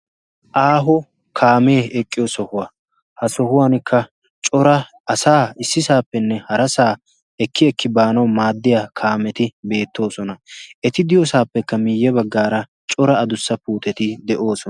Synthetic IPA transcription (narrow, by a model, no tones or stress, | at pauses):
ʔaːɦɔ | kʰaːmeːɛkʼːɪjɔsɔhʊwɐ | hɐsɔhʊwaːnɪkʰːɐ | t͡ʃʼɔɾɐ | ɐsaːɪsːɪsaːpːɛnːɛhɐɾɐsaː | ɛkʰːɪɛkːɪbaːnɐwmaːd̪ːɪjakʰaːmɛt̪ɪbe̞ːt̪ːo̞ːsɔnɐʔɛt̪ɪd̪ɪjɔsaːpːɛkːɐmɪjːɛbɐɡːaːɾɐ | t͡ʃʼɔɾɐːd̪ʊsːɐpuːt̪ɛt̪ɪd̪ɛʔo̞ːsɔ